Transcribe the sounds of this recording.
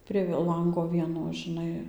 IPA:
pʲrʲiɛ ˈlˠɐŋɡoː ˈʋʲiɛnoː ʒʲɪˈnɐɪ

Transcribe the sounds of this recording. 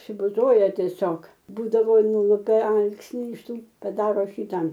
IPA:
ɐpʲsʲɪbʊˈzoːjɛ tʲiɛˈsʲoːk ˈbuːdɐʋoː ˈnʊlˠʊpʲɛ ˈɐlˠksʲnʲɪ ɪʃ ˈtuː pɐˈdɑːroː ˈʃʲiːtɑː

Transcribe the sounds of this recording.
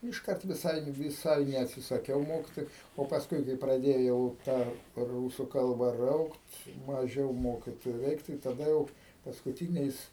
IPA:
ɪʃˈkɐrt ʋʲɪˈsɐɪ ʋʲɪˈsɐɪ nʲɛɐtʲsʲɪsɐˈkʲɛʊ ˈmoːkʲɪtoːjʊ oː pɐsˈkʊɪ kɐɪ prɐˈdʲeːjɛʊ ˈtɑː ˈruːsʊ ˈkɐlˠbɐ ˈrɐʊkt mɐˈʒʲɛʊ ˈmoːkʲɪtoːjʊ ˈrʲɛɪk tɐɪ tɐˈdɐ jɛʊ pɐskʊˈtʲiːnʲɛɪs

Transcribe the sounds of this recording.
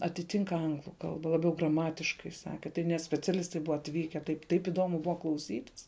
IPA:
ɐtʲɪˈtʲɪŋk ˈɐŋɡlˠʊ ˈkɐlˠbɐ lˠɐˈbʲɛʊ ɡrɐˈmɑːtʲɪʃkɐɪ ˈsɑːkʲɪ tɐɪ nʲɛt sʲpʲɛt͡sʲɛˈlʲɪstɐɪ ˈbʊʋɐ ɐtʲˈʋʲiːkʲɛ ˈtɐɪp tɐɪp ɪˈdoːmʊ ˈbʊʋɐ klˠɐʊˈsʲiːtʲɪs

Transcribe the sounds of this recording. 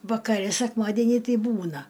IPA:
ʋɐkɐˈrʲɛ sʲɛkˈmɑːdʲiɛnʲiː ˈtʲɛɪ ˈbuːnɐ

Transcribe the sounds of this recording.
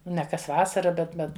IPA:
nʲɛ kɐs ˈʋɑːsɐrɐ bʲɛt ˈbʲɛt

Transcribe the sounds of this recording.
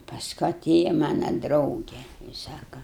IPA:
pɐsˈkʊ ɐˈtʲeːjɛ ˈmɑːnɐ ˈdrɐʊɡʲɛ ɪ ˈsɑːkɐ

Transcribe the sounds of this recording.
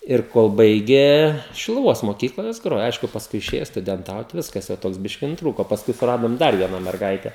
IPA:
ɪr ˈkoːlˠ ˈbɐɪɡʲeː ʃʲɪlˠʊˈʋoːs moːˈkʲiːklˠɐ joːs ˈɡroːjoː ˈɐɪʃkʊ pɐsˈkʊɪ ɪˈʃʲeːjoː stʊdʲɛnˈtɐʊt ˈʋʲɪskɐs jɛʊ ˈtoːks ˈbʲɪʃʲkʲɪ nʊtˈruːkoː oː pɐsˈkʊɪ sʊˈrɑːdoːm ˈdɐr ˈʋʲiɛnɐ mʲɛrˈɡɐɪtʲɛ

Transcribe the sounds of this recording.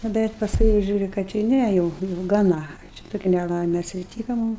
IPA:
nʊ ˈbʲɛt pɐsˈkʊɪ jɛʊ ˈʒʲuːrʲʊ kɐt jʊ ˈnʲæ jɛʊ jɛʊ ɡɐˈnɐ ˈt͡ʃʲɛ ˈtoːkʲɪ nʲɛˈlˠɐɪmʲɛ ɐtʲsʲɪˈtʲiːkɐ ˈmʊm

